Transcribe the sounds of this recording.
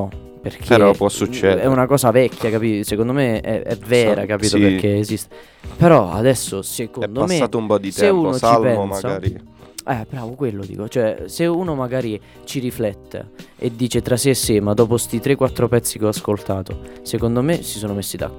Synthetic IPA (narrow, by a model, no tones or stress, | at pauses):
nɔ | perk̟ʰeeɾɔpwɔsut͡ʃːɛɛunakɔːsavɛkʰʲːjakapiːsekond̪omeɛ̰ɛvɛːɾakapiːopekːeezist̪e | peɾɔa̰d̪ɛsːosekond̪omeaːt̪oumpɔd̪isɛeuːnnost͡ʃailpɛnmasɡaaɾi | ɛbɾaːvokwelːod̪ḭːkot͡ʃoɛseuːnomaɡaːɾi | t͡ʃiɾiflɛt̪ːḛed̪ːiːt͡ʃet̪ɾasesːemad̪ɔːpost̪it̪ɾekːwat̪ːɾopɛt̪sːikeɔaskolt̪aːt̪osekond̪omesisoːnomesːid̪a̰